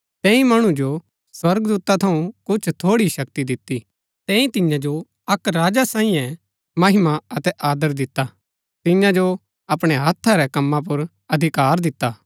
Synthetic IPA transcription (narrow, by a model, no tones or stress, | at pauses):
t̪ɛ̃ːĩmɐɽ̃ũd͡ʒo | swɐɾɡd̪uːt̪at̪ʰɐũkʊt͡ʃʰt̪ʰoːɽiʃɐkt̪id̪ɪt̪ːi | t̪ɛ̃ːĩt̪ɪ̃jãd͡ʒo | ɐkɾaːd͡ʒasãːĩjɛ̃ | mɐɦɪmaɐt̪ɛʔaːd̪əɾd̪ɪt̪ːa | t̪ɪ̃jãd͡ʒo | ɐpɽ̃ɛɦɐt̪ʰːaɾɛkɐmːãp̬ʊɾ | ɐd̪ʱɪkaːɾd̪ɪt̪ːaː